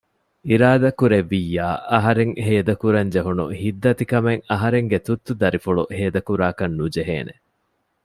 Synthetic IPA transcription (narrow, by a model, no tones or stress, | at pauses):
iɾaːd̪ɐkuɾeʋːijːaːʔɐɦɐɾeŋheːd̪ɐkuɾɐɲd͡ʒeɦunṵhid̪ːɐt̪ikɐmeŋɐɦɐɾeŋɡet̪ut̪ːud̪ɐɾifuɭṵheːd̪ɐkuɾaːkɐnːud͡ʒeɦḛːnḛ